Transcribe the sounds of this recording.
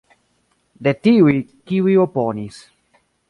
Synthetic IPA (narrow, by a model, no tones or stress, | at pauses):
d̪etiwikiwioponis